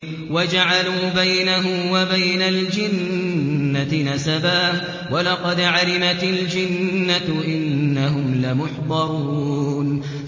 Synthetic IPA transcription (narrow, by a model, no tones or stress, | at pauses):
wad͡ʒaʕaluːbajnaɦʊmwabajnald͡ʒɪnː | aɪnasabaːh | walɑqɑd̪ʕalɪmat̪ɪld͡ʒɪnːaʔɪnːaɦʊmlamʊħd̪ˤɑɾuːn